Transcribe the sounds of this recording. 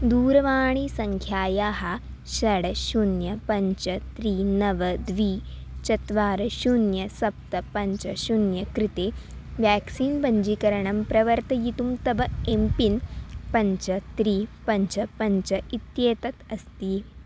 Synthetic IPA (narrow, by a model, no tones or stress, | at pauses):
d̪uːɾɐʋaːɳisɐŋkʰjaːjaːɦɐ | ʃɐɽɐʃunjɐpɐɲt͡ʃɐt̪ɾiːnɐʋɐd̪ʋiː | t͡ʃɐt̪ʋaːɾɐʃunjɐsɐp̚t̪ɐpɐɲt͡ʃɐʃunjɐkɾɪt̪eːʋjaːksiːnpɐɲd͡ʒikɐɾɐɳɐmpɾɐʋɐɾt̪ɐjit̪umt̪ɐbɐempinpɐɲt͡ʃɐt̪ɾiːpɐɲt͡ʃɐpɐɲt͡ʃɐit̪jeːt̪ɐt̪ɐst̪i